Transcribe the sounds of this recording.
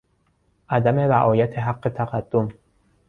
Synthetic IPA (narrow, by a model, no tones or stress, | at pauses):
ʔæd̪æme̞væʔɒːjæt̪ʰeɦaqːet̪ʰæqæd̪̥ːom